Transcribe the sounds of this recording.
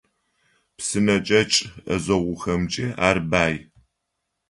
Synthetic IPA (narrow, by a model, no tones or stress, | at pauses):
psɨnɐt͡ʃʼɐt͡ʃʼɐ̰zɐʁʷʊxɐmt͡ʃʼɪa̰ːrbaːj